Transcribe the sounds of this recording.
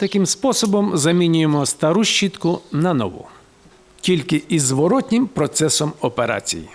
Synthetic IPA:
t̪ɐkɪmspɔsɔbɔmzɐmʲinʲʊjemɔst̪ɐɾuʃt͡ʃːit̪kʊnɐnɔ̰ʋṵ | tʲilʲkɪʔizʋɔɾɔtʲnʲɪmpɾɔt̪sɛsɔmɔpeɾa̰t͡sʲḭjḭ

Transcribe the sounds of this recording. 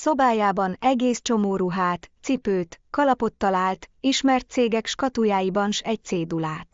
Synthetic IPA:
so̞baːjaːbɒnɛɡeːst͡ʃo̞moːɾuɦaːt̪sipøːt̪kɒlɒpo̞t̪ːɒlaːlt̪iʃmɛrt̪̚seːɡɛkʃkɒt̪ujaːjibɒnʃɛc̚t̪seːd̪ulaːt̪

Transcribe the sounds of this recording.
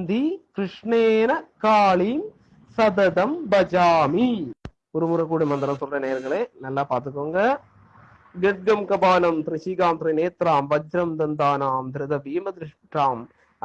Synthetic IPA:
nd̪ikɾɪʂɳeːnɐkaːɭiːm | sɐd̪ɐd̪ɐmbɐd͡ʒaːmi | ʊɾumuɾɐkːuːɽɐmɐnd̪ɐɾɐmt̪urːɐneːɐɾɣɐɭeːnɐlːaːpaːɾt̪ɯkːoŋɡɐ | ɡɛʈ̚ɡɐmkɐbaːnɐmt̪ɾɪʃiːkaːmt̪ɾineːt̪ɾaːmʋɐd͡ʒɾɐmd̪ɐnd̪aːnaːmd̪ɪɾɐd̪ɐʋiːmɐd̪ɾɪʂʈɾaːm

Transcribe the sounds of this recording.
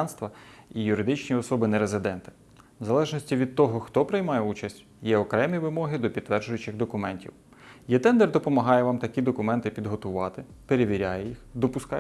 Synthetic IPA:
nst̪ʋɐijʊɾɪd̪ɪt͡ʃnʲiɔsɔbɪnɛɾezɪd̪ɛnt̪ɪ̥ | wzɐlˠɛʒnɔsʲtʲiʋʲid̪̚t̪ɔɦɔxt̪ɔpɾɪjmɑjɛut͡ʃɐsʲtʲ | jɛɔkɾɛmʲiʋɪmɔɦɪd̪ɔpʲid̪t̪t̪ːʋɛrd͡ʒʊjʊt͡ʃɪɣd̪ɔkʊmɛnʲtʲḭw | jɛt̪ɛnd̪ɛrd̪ɔpɔmɐɦɑjɛʋɑmt̪ɐkʲid̪ɔkʊmɛnt̪ɪpʲid̪ɦɔt̪ʊʋɑt̪ɪpeɾeʋʲiɾʲajɛjixd̪ɔpʊskɑ

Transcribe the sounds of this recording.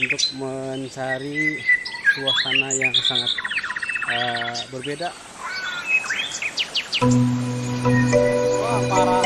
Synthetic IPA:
unt̪ʊk̚məɲt͡ʃaɾi | kuasanajaŋəsaŋat̪̚ | əbərbeda

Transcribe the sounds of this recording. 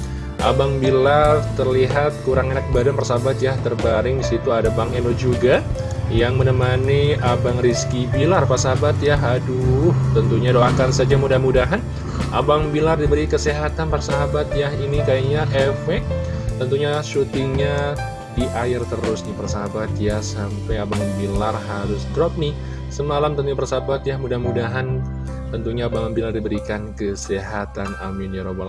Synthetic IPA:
ʔa̰baŋbilart̪ərliɦat̪̚kuɾaŋenak̚badanpərsaɦabat̪jaht̪ərbaɾɪŋdisit̪uadabaŋɛndod͡ʒuɡa | jaŋmənəmaniabaŋriskibilarpasaɦabat̪jaɦaduht̪ənt̪uɲadoakansad͡ʒamudahmudaɦan | ʔa̰baŋbilardibəɾikəsiɦat̪anpərsaɦabat̪̚jahinikajaɲaʔefɛk̚t̪ənt̪uɲasut̪iɲa | diʔaɪrt̪əɾʊsnipərsaɦabat̪jahsampajabaŋbilarhaɾʊsd̪ɾɔp̚nɪh | səmalamt̪ənuɲapərsaɦabat̪jahmudahmudaɦan | t̪ənt̪uɲaːbaŋbilardibəɾikankəseɦat̪ana̰mɪnjaɾoba̰l

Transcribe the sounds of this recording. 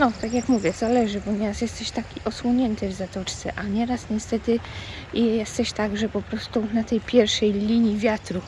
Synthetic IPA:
nɔt̪akjakmuvʲjɛzalɛʐɘbɔɲɛɾasjɛst̪ɛɕt̪akʲiʔɔswɔɲɛnt̪ɘvzat̪ɔt͡ʂt̪sɛ̰ʔaɲɛɾasɲɛst̪ɛt̪ɘjjɛst̪ɛɕt̪aɡʐɛpɔpɾɔst̪unat̪ɛjpʲjɛɾfʂɛjlʲiɲivʲjat̪ɾu

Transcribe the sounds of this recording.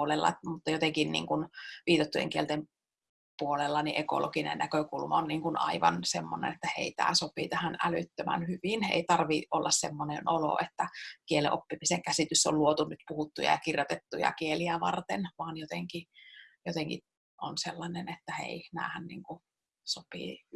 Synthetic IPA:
lelːɑ̰mut̪ːɑjot̪eŋkinnḭːŋkunʋiːt̪ot̪ːujḛŋkielt̪em | puolelːɑniʔeko̰lo̰kinḛnnækøkulmɑonniːŋkunɑ̰iʋɑ̰nsemːonḛnet̪ːæhḛit̪æ̰ːsopit̪æhænælyt̪ːømæ̰nhyʋinḛit̪ɑrʋiʔolːɑssemːonenolo̰ʔet̪ːækielḛʔopːimiseŋkæsit̪ysːo̰lluot̪unyt̪puhut̪ːujɑ̰jɑkirjot̪et̪ːujɑ̰kieliæʋɑ̰rt̪enʋɑːnjot̪eŋkijot̪eŋkḭ | ʔonselːɑnenet̪ːæhḛinæ̰ːhænniːŋku | sopḭ

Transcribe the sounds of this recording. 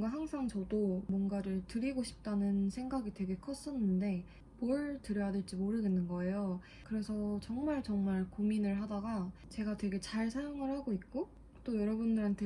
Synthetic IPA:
ɡaɦaŋsʰaŋt͡ɕʌdomwʌnɡaɾɯɭtɯɾiɡoɕʰi̥p̚t͈anɯnsʰe̞ŋɡaɡitwe̞ɡe̞kʰʌs͈ʌnɯnde̞ | moɭtɯɾjʌjadweɭt͡ɕ͈imoɾɯɡenːɯnɡʌe̞jo | kɯɾe̞sʰʌt͡ɕʌŋmaɭt͡ɕʌŋmaɭkominɯɭɦadaɡat͡ɕe̞ɡatwe̞ɡe̞t͡ɕaɭsʰajoŋɯɭhaɡoik̚k͈o | t͈ojʌɾʌbundɯɾantʰe

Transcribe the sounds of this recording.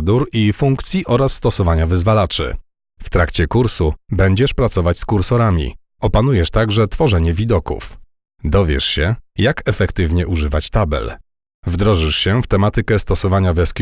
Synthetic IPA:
d̪uɾifuŋkt̪sʲjiʔɔɾasːt̪ɔsɔvaɲavɘzvalat͡ʂɘ̰ | ft̪ɾakt͡ɕɛkuɾsubɛɲd͡ʑɛʂpɾat̪sɔvat͡ɕʲskuɾsɔɾamʲḭ | ʔɔpanujɛʂt̪aɡʐɛt̪fɔʐɛɲɛvʲid̪ɔkṵf | d̪ɔvʲjɛ̰ʂɕɛjakɛfɛkt̪ɘvɲɛʔuʐɘvat͡ɕt̪abɛ̰l | vd̪ɾɔʐɘʂɕɛft̪ɛmat̪ɘkɛst̪ɔsɔvaɲavɛskʲ

